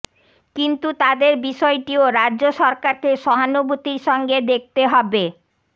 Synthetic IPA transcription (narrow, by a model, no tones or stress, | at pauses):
kint̪ut̪ad̪eɾbiʃɔeʈioɾadːʑoʃɔɾkaɾkeʃɔɦanobut̪iɾʃɔŋɡed̪ek̚t̪eɦɔbe